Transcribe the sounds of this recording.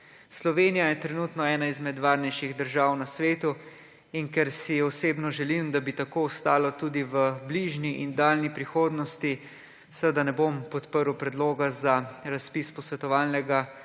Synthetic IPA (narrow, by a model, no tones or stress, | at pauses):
slɔʋeːnijajɛt̪ɾɛnuːt̪nɔɛːnaizmɛd̪ʋaːɾnɛjʃiɣd̪əɾʒaːwnasʋeːt̪u | iŋkɛɾsiɔseːbnɔʒɛlimd̪abit̪akowst̪aːlɔt̪ud̪iʋəbliʒniʔind̪aːlnipɾixoːd̪nɔst̪i | səəd̪anɛbompɔt̪pəɾwpɾɛd̪loːɡazaɾaspispɔsʋɛt̪ɔʋaːlnɛɡa